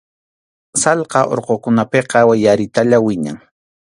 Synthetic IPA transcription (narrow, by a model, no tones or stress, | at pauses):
sɑlqɑʔo̰ɾqokʊnapeqɑwajaɾɪt̪aʎawɪɲa̰ŋ